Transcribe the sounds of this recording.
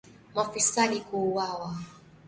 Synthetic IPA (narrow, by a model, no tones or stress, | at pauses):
mafisaɗikuwawa